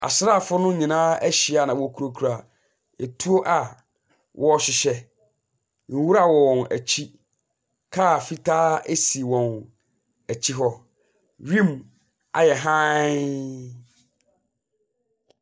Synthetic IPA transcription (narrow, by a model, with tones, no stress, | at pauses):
a̰˨sɾa˦˨fʊ˦nʊ̃˦ɲĩ˨nãː˦æ˦ɕi˨a˨nã˨wɔ˨˦kʰu˨ɾo˨kʰu˨ɾa˨ | ɛ˨tʰu˦o˦ʔa˨ | wʔɔ˦ɔ˦ɕɪ˨ɕɛ˦ | n̩˨wu˦ɾa˦wɔ̃˨næ̰˨t͡ɕʰi˦ | kʰa˦˨fi˦tʰaː˦e˦si˨wɔ̃˨n | æ˨t͡ɕʰi˦ɦɔ˦ | ɥĩ˦m | a̰˨jɛ˨ɦã˦